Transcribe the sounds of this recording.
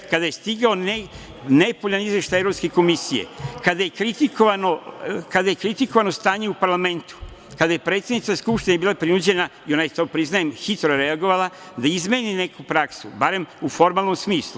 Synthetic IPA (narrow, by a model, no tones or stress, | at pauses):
kad̪ajest̪iɡaone | nepoʎanizʋe̞ʃt̪ajevɾo̞pskeko̞misijḛkad̪ajekɾit̪ikoʋanokad̪ajekɾit̪iko̞ʋanost̪aːɲeupaɾlˠame̞nt̪u̥ | kad̪aje̞pɾeːt̪sed̪nit̪askupʃt̪inebiːlˠapɾinud͡ʑe̞naio̞najet̪opɾiznajemxit̪ɾoɾe̞aɡo̞ʋalˠa | d̪aizme̞ːnine̞kupɾaksubaɾe̞mufo̞ɾmaːlˠno̞msmiːslˠu